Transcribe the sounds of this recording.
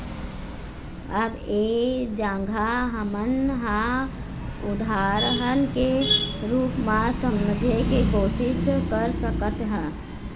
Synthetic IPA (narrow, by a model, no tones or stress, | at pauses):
əbeːd͡ʒãːŋɡʱaɦəmənɦã | ʊd̪ʱaːɾəɦənkeɾuːpmãsəmd͡ʒʱekekoːsɪskəɾsəkət̪ɦə